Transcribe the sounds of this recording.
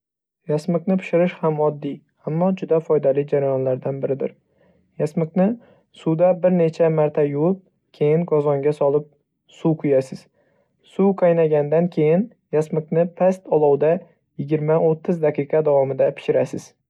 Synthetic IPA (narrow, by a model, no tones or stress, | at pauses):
jasmɪqnɪpʰɪ̥ʃɪɾɪʃhamɒd̪ːij | amːɒd͡ʒʊd̪afɒjd̪alɪd͡ʒaɾajɒnlaɾd̪anbɪɾɪd̪ɪɾ | jasmɨqnɪ | suwd̪abɪɾne̞t͡ʃʰamaɾt̪ʰajʊwɪp̚ | kʲʰe̞jɪŋɡɒzɒŋɡʲasɒlˠɪp̚ | suqʰʊjasɪz̥ | suwqʰɑjnaɡʲand̪ankʲʰe̞jɪn | jasmɨqnɪpʰast̪ɒlˠɒwd̪a | jɪɡʲɪɾmaot̪ʰːɪzd̪aqɨjqɑd̪awɒmɪd̪apʰɪ̥ʃɪɾasɪz̥